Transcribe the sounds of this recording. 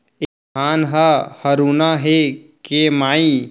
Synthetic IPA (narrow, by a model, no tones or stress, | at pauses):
e | aːnɦəhəɾuːnaɦekemaːi